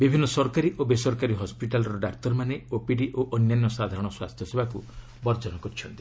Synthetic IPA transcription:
bibʱinːɔsɔɾkaɾiʔobesɔɾkaɾiɦɔspiʈalɔɾɔɖakt̪ɔɾmaneopiɽiʔoʔɔnjanːɔsad̪ʱaɾɔ̃ɽ̃ɔswa̰st̪ʰjɔsebʱaku | bɔɾd͡ʒɔnɔkɔɾit͡ʃʰɔnt̪i̥

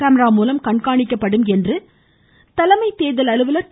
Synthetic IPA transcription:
aːmɐɾaːmuːlɐmkɐɳkaːɳɪkːɐpːɐɽɯmɛndrɯ | t̪ɐlɐmɐɪt̪ːeːðɐlɐɭɯʋɯlɐɾ

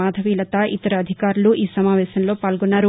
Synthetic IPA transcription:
aːd̪ʱɐʋiːlɐt̪ɐʔit̪ɐɾɐːd̪ʱikaːɾuluʔiːsɐmaːʋɛːɕɐnlo̞ːpaːlɡonːaːɾu

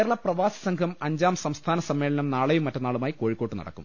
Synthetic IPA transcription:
ɾɐɭɐprɐʋaːsɐ̥sɐŋkʰɐmɐɲd͡ʑaːmsɐmst̪ʰaːnɐsɐmːe̞ːɭɐnɐmnaːɭejumːɐtːɐnaːɭumaːjiko̞ːɻikːoːʈːɨnɐ̰ɽɐ̰kːṵm

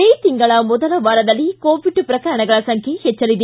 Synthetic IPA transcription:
eːjt̪ɪŋɡɐɭaːmɔðɐlɐʋɐɾɐðɐlikoːʋɪɖːɯpɪɾɐkɐɾɐɳɐɡɐɭɐsɐŋkʰehɛt͡ʃːɐlid̪i

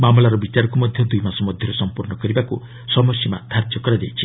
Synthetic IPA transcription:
mamlaɾɔbit͡ʃaɾɔkumɔd̪ʱjɔd̪ujmasɔmɔd̪ʱjɔɾɔsɔmpuɾnɔkɔɾibaku | sɔmɔsima̰t̪ʰaɾd͡ʒjɔkɔɾad͡ʒajt͡ʃʰi

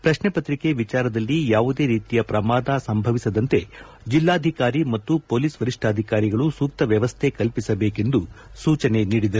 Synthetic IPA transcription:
pɾɐʃnepɐt̪ɾike̞ʋit͡ʃaːɾɐd̪ɐlːijaːʋud̪e̞ːɾiːt̪ijɐpɾɐmaːd̪asɐmbʱɐʋisɐd̪ɐnt̪e̞ | d͡ʒilːaːd̪ʱikaːɾimɐt̪ːupoːliːsʋɐɾiʂʈʰaːd̪ʱikaːɾiɡɐɭusuːk̚t̪ɐʋjɐʋɐst̪ʰe̞kɐlpisɐbeːke̞nd̪usuːt͡ʃɐne̞niːɽid̪ɐɾuu

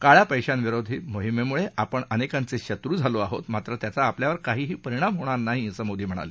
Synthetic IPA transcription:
kaɭjapəjɕanʋiɾod̪ʱiːmoɦimemuɭeʔapəɳənekant͡seɕət̪ɾuːd͡zʱaloaɦo̰t̪mat̪ɾət̪jat͡saːpljaʋəɾkaɦiːɦiːpəɾiɽ̃amɦoɽ̃aɾnaɦisəmod̪ʱiːm̤əɽ̃a̰le

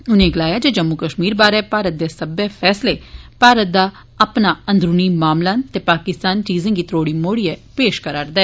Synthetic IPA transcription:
ʊnẽːɡəlaːjaːd͡ʒeːd͡ʒəmːukəʃmiːɾbaːɾɛːpaːɾət̪̚d̪eːsəbɛːpʰɛːsleːpaːɾət̪̚d̪aː | əpnaːə̃nd̪ɾuniːmaːmlaːt̪eːpaːkɪst̪aːnʈiːzɪ̃ŋɡiːt̪ɾoːɽiːmoːɽiɛːpeːʃkəɾaːɾd̪ɛɛː

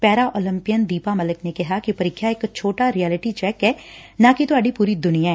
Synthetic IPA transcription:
pɛːɾaʔoːlɪ̃mpijənd̪iːpamɐləknekɪɦakipɐɾikʰːjaeːkt͡ʃʰoːʈaɾijɛːlɪʈit͡ʃɛːkɦɛːnãkit̪oɐɖipuːɾid̪ʊnijaɦɛː

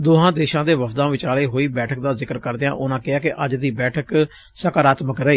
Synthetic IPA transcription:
d̪oːɦãːd̪eːʃãːd̪eːʋəpʰd̪ãːʋɪt͡ʃaːleːɦoːiːbɛːʈʰək̚d̪aːzɪkəɾkəɾd̪eːãːʔʊnãːkɪaːkɪʔəd͡ʒd̪iːbɛːʈʰək | səkaːɾaːt̪məkɾəiː

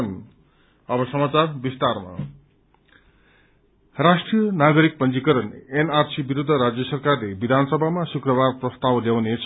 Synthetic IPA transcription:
n | ʌbʌsʌmat͡sarbist̪arma̰ | rasʈrijʌnaɡʌɾik̚pʌnd͡zikʌɾʌnenarsibiɾud̪ʱːʌɾad͡zjʌsʌrkarlebid̪ʱanʌsʌbʱamasukrʌbarprʌst̪awljawnet͡sʰ

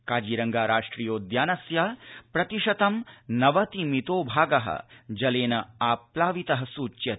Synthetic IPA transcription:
kaːd͡ʒiːɾɐŋɡaːɾaːʂʈɾiːjoːd̪jaːnɐsjapɾɐt̪iʃɐt̪ɐmnɐʋɐt̪imit̪oːbʱaːɡɐɦɐ̰d͡ʒɐleːnɐaːplaːʋit̪ɐɦɐsuːt͡ʃjɐ

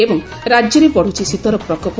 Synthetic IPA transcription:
ebɔŋ | ɾad͡ʒjɔɾepɔɽ̤ut͡ʃʰisit̪ɔɾɔpɾɔkɔp

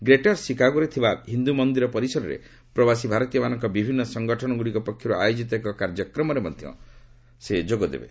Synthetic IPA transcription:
ɡɾeʈaɾsikaɡuɾet̪ʰibaɦind̪umɔnd̪iɾɔpɔɾisɔɾɔɾḛ | pɾɔbasibʱaɾɔt̪ijɔmanɔŋkɔbibʱinːɔsɔŋɡɔʈʰɔñɔɡuɽikɔpɔkʰjɔɾuajod͡ʒit̪ɔekɔkaɾd͡ʒɔkɾɔmɔɾemɔd̪ʱjɔ̰ | sed͡ʒoɡɔd̪ḛbḛ

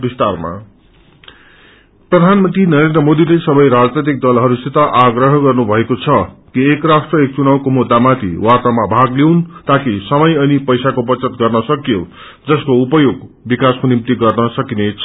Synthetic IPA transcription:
bist̪arma̰ | prʌd̪ʱanmʌnt̪rinʌɾend̪rʌmod̪ilesʌbʌjɾad͡znʌjt̪̬ik̚d̪ʌlɦʌɾusit̪ʌʔaɡrʌɦʌɡʌrnubʱʌekot͡sʰʌkiekrasʈrʌek̚t͡sunaw̃komud̪ːamat̪ʰḭwat̪amabʱaɡlewnt̪akisʌmʌjʌnipʌjsakobʌt͡sʌt̪ɡʌrnʌsʌkijo | d͡zʌskoupʌjoɡbikaskonimt̪iɡʌrnʌsʌkinet͡sʰʌ

